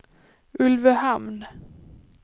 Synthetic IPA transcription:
ɵlvəhamn

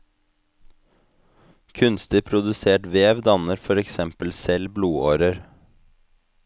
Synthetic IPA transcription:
kʰʉnst̪ɪpʰɾʊd̪ʉseːʈʋeːʋd̪ɑnəɾfɔɾɛksɛmpəlsɛlbluːoːɾəɾ

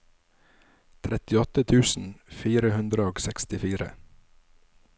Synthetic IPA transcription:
t̪ʰɾɛt̪ɪɔt̪ət̪ʰʉːsn̩fiːɾəhʉnd̪ɾəoːɡsɛkst̪ɪfiːɾə̰

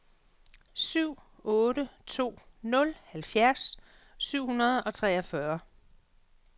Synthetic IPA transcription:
syʊ̰ | ɔ̽ːɾət͡sʰo̝̰ːnɔ̽lhælfjæɐs | syʊ̰hunɐð̞̩ˠɒ̽t͡sʰʁɛːɒfɶɐ

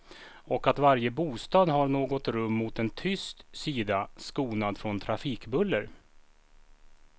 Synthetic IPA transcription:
ɔkat̪vaɾjəbuːst̪ɑːd̪ɦaɳoːɡɔt̪ɾɵmːʊt̪ɛnt̪ʰʏst̪siːd̪askuːnad̪fɾɔnt̪ʰɾafiːkbɵlːəɾ

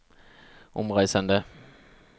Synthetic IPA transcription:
ʔʊ̰mʁæɪsənd̪ə

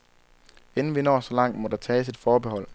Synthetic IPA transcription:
en̩ʋinɒ̰ːsɒ̽lɑ̈ŋ̰d̥mɒ̽d̥ɑ̈t͡sʰɛːsid̥fɒːb̥ehɒ̽l̰

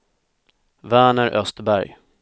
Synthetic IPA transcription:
væːɳəɾʔœst̪bæɾj

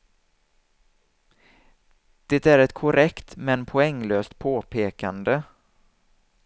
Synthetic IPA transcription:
d̪̥eːt̪æɾɛt̪kʰʊɾɛkt̪mɛnpʰʊɛŋːløːst̪̚pʰoːpʰeːkand̪ə

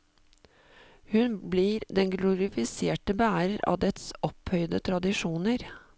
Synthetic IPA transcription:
hʉnbliːɾd̪ɛnɡlʊɾɪfɪseːʈəbæːɾəɾɑ̰ːd̪ɛt̪sɔphœʏd̪ət̪ʰɾɑd̪ɪʂuːnəɾ

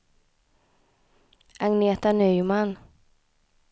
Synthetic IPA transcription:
ʔaŋneːt̪anœjman

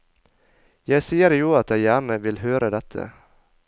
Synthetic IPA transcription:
jæɪsiːəɾjuːɑt̪̚jæɪjæːɳəʋɪlhøːɾəd̪ɛt̪ʰə̰

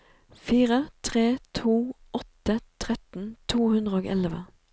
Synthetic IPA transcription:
fiːʁət̪ʰʁeːt̪ʰuː | ɔt̪ət̪ʰʁɛt̪n̩t̪ʰuːhʉnd̪ʁəoːɡɛ̰lʋə

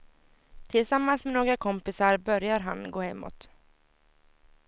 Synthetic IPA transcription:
t̪ʰɪlsamːansmenoːɡɾakʰɔmpɪsaɾbœɾjaɾɦanɡoːhɛmːɔ̰t̪

